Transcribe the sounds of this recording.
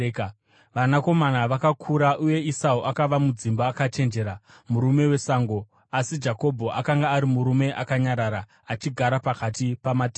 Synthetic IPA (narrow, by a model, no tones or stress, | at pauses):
ʋanako̞manaʋakakʰuɾaʔuje̞isauʔakaʋamud͡zimbaːkat͡ʃe̞nd͡ʒe̞ɾa | muɾume̞we̞saːŋɡo̞ | asid͡ʒako̞bʱo̞ʔakaŋɡaːɾimuɾume̞ʔakaɲaɾaɾaː | t͡ʃiɡʱaɾapakatipamatː